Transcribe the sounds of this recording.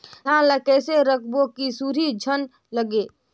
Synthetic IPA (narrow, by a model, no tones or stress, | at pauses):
ãnlakɛːseɾəkʰbokisuːɾid͡ʒʱən | ləɡe